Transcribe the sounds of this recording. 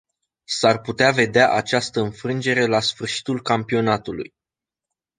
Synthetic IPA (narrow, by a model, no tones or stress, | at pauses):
sarput̪eave̞d̪eaʔat͡ʃast̪əɨnfɾɨnd͡ʒe̞ɾe̞lasfɨrʃi̥t̪ulkampio̞nat̪ulṵj